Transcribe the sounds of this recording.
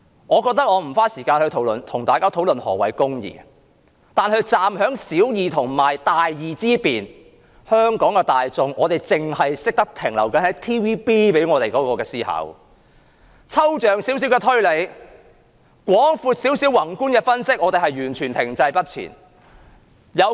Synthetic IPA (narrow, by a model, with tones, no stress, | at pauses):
ŋɔː˨˧kɔː˧k̚t̪ɐ˥k̚ŋɔː˨˧m̩˨˩faː˥siː˨˩kaː˧nhɵ˧ɥt̪ʰo˨˥wlɵ˨˩nt̪ʰʊ˨˩ŋt̪aː˨jkaː˥t̪ʰwlɵ˨nhɔ̰ː˨˩wɐ˨˩jkʊ˥ŋjḭː˨ | t̪aː˨nhɵ˧ɥt͡saː˨˧mhœː˨˥ŋsiː˨˥wjiː˨t̪ʰʊ˨˩ŋmaː˨˩jt̪aː˨jjiː˨˩t͡siː˥piː˨n | hœː˥ŋkɔː˨˥ŋkɛː˧t̪aː˨jt͡sʊ˨˧ŋʔɔː˨˧t̪e˨jt͡sɪ˨ŋhɐ˨jsɪ˥k̚t̪ɐ˥k̚t̪ʰɪ˨˩ŋlɐ˨˩wkɐ˨˥nhɐ˨˥jt̪ʰiː˥wiː˥piː˥pe˨˥jŋɔː˨˧t̪e˨jkɔː˨˥kɔː˧kɛː˧siː˥hɐ̰˨˥w | t͡sʰɐ˥wt͡ʃœː˨ŋsiː˨˥ws̬i˨˥wkɛː˧t̪ʰɵ˥ɥle˨˥j | kʷɔː˨˥ŋfuː˧t̚siː˨˥wsiː˨˥wɐ˨˩ŋkuː˥nkɛː˧fɐ˥nsɪ˥k̚ʔɔː˨˧t̪e˨jɦɐ˨jyː˨˩nt͡ʃʰyː˨˩nt̪ʰɪ˨˩ŋt͡sɐ˧jpɐ˥t̚t͡sʰḭː˨˩n | jɐ˨˧w